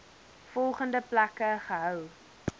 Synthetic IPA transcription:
fɔlˠχəndəplækəχəɦœw

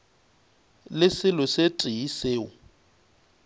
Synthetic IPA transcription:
lɪsɪlɔsetʼiiseːʊ

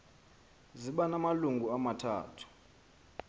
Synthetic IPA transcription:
ziɓanamaluŋɡʱuamatʰa̰ːtʰu̥

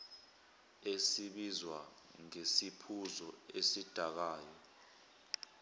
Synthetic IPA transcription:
esiɓizwa | ŋesipʰuzɔesid̥ʱak̬aːjɔ

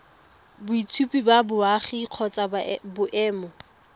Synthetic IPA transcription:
bʊit͡sʰupʼibabʊaχiq͡χʰɔt͡sʼabʊʔɛːmɔ

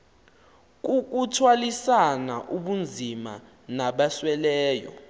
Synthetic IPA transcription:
k̬ʼuk̬utʰwalisanaʔuɓund͡zʱima̰ | naɓaswɛlɛːjɔ̰

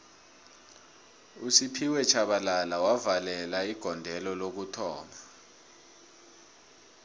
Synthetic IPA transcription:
usipʰiwɛt͡ʃʰaɓalalawavalɛlaiɡ̥ʱɔndʱɛlɔlok̬utʰɔːma

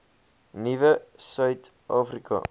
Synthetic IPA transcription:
nivəsœɥt | ʔɑːfrikɐ̰

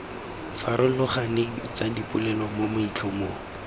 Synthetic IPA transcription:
faɾʊlʊχaneŋ̩t͡sadipʼʊlɛlɔmomʊit͡ɬʰɔmoː

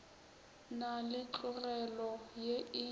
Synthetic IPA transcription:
nalɪt͡ɬʼʊrɛlɔjeɪ

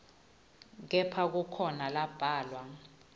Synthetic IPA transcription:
k̬ɛpʰak̬ukʰɔnalab̥ʱaːlwa

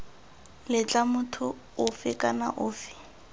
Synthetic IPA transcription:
lɪt͡ɬʼamʊtʰʊ | ʊfɪkʼana̰ʔʊːfɪ̥

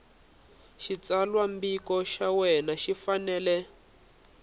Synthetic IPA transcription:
ʃit͡salwambikɔʃawɛnaʃifanɛːlɛ

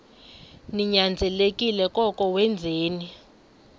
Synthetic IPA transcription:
niɲand͡zʱɛlekʼilɛkʼɔkʼɔwɛnd͡zʱeːni

